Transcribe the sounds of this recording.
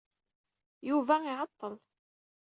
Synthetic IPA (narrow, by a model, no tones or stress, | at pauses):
juvæɪʕɑt̪ˤːəl